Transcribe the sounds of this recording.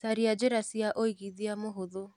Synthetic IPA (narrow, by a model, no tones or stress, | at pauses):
saɾiad͡ʒeɾasiaʔoiɣiðiamoɦoðo